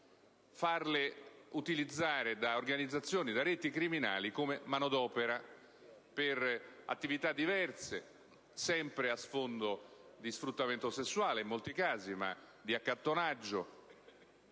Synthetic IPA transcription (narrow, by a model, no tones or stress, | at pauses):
farleut̪ilid̪zːaːɾed̪aorɡanid̪zːat̪sːjoːnid̪aɾɛt̪ikɾimina̰ːlikomemanod̪ɔːpeɾa | pera̰t̪ːivit̪ad̪ːivɛrt̪se | sɛmpɾeasfond̪od̪isfɾut̪ːament̪osesːuwaːleimːolt̪ikaːzima̰d̪iakːat̪ːonad͡ʒːo